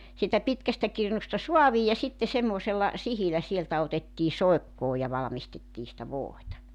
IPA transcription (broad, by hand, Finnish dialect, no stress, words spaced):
siːtæ pitkæstæ kirnustɑ suɑʋiː jɑ sitːe semːoˑselːɑ sihilæ sieltæ otetːiː soekːoː jɑ ʋɑlɑ̆mistetːiː sĭtæ ʋoˑitɑ